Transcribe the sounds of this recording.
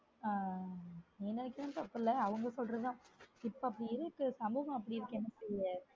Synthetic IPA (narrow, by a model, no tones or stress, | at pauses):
aː | enːɐnɪkːɪɾɐmt̪ɐpːɯlːɐɐʋɐŋɡɐsɔlrɐðt̪ãːɪpːoɐpːɐɽiɪɾɯkːɯsɐmbɐʋɐ̃ɐp̬ːɐɽiɪɾɯkːɛnːɐsɛɾɪjɐ